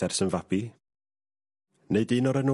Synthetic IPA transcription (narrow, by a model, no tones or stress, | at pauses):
ɛrsənvabi | neɨdɨnɔɾənu